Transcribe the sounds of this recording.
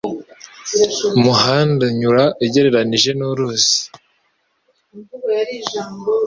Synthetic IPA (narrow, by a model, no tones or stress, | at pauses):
muhaːndaɲuɾaʔiɟe̞ɾe̞ɾaniʒe̞nuɾuːsi̥